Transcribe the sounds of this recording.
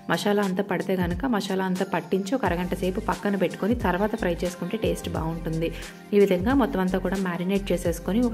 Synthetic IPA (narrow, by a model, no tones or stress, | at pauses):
mɐʃaːlɐɐnt̪ɐpɐɽit̪e̞ːɡɐnukɐmɐʃaːlɐɐnt̪ɐpɐʈːiɲt͡ʃiɔkɐɾɐɡɐɳʈɐsɐjpupɐkːɐnupeʈːu̥konit̪ɐɾʋaːt̪ɐpʰɾɐjt͡ʃe̞ːsu̥kuɳʈe̞ːʈe̞ːsʈba̰ːuɳʈund̪i | iːʋid̪ʱɐŋɡaːmɔt̪ːɐmɐnt̪aːkuːɽaːmaːɾineʈ̚t͡ʃe̞ːse̞ːsu̥koniɔ